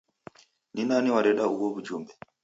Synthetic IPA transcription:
ninaniwaɾɛɗauwɔβud͡ʒumbɛ

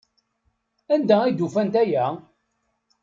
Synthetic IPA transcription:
ænd̪æid̪ufænt̪æjæ

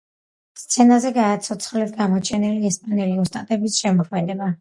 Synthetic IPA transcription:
st̪sʰɛnazɛɡaːt̪sʰɔt̪sʰχlɛt̪ʰɡamɔt͡ʃʰɛnɛliɛspʼanɛliɔst̪ʼat̪ʼɛbisʃɛmɔkʰmɛlɛba

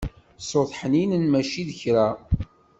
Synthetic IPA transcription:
sˤoθˤħəninənmæʃiðəçɾæ

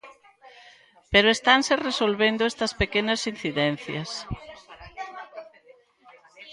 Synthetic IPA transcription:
peɾoest̪anseresolβend̪ʊest̪ɐspekenɐsin̟θiðɛn̟θjɐs

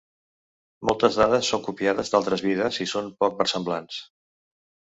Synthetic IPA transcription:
mɔlˠt̪əzðaðəsːoŋkupiaðəzd̪alˠt̪ɾəzβiðəzisompɔk̚pəɾsəmblans

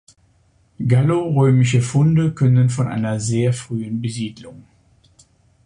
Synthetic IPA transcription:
ɡaloʁøːmɪʃ̬əfʊndəkʰœnənfɔnʔa̰ɪnɐzeːɐfʁ̥yːənbəziːdlʊŋ

